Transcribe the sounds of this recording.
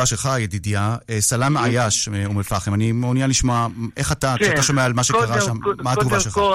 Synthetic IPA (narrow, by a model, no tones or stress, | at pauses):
aʃelχajedidijaesalamajaʃeumefaχemanimonianliʃmoaʔeχatakataʃomeaalmaʃekaʁaʃamːaatɡuvaʃela